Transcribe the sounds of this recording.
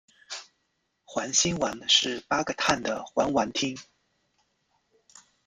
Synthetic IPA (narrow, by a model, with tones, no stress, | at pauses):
xwa˧˥nɕi˥nwa˧˥nʂɻ̩˥˩pa˥ɡə˧˩t̪ʰa˥˩nd̪ə˩xwa˧˥nwa˧˥nt̪ʰi˥ŋ